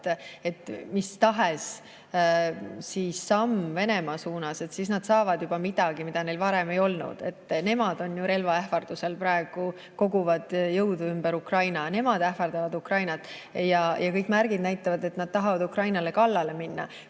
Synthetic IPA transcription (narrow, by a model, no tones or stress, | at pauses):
e̞t̪ːˑmist̪ɑɦes | siːsːɑmve̞ne̞mɑːsuːnɑse̞t̪sisnɑd̪̥sɑːvɑd̪̥jubɑmid̪̥ɑɡ̥imid̪̥ɑne̞jlvɑɾeme̞jo̞lnṵd̪̥e̞̰t̪ːˑne̞mɑd̪̥o̞njuɾe̞lvɑæhfɑrd̪̥use̞lpɾɑe̞ɡ̥u | ko̞ɡ̥uvɑd̪̥jɤwd̪uymbeɾukrɑjnɑne̞mɑd̪̥æhfɑrd̪̥ɑvɑd̪ukrɑjnɑt̪ːˑjɑjʔɑkɤjkːˑmærɡid̪næjt̪ːˑɑvɑd̪e̞t̪nɑd̪̥̚t̪ɑɦɑvɑd̪ukrɑjnɑle̞kɑlːɑle̞minːɑ̰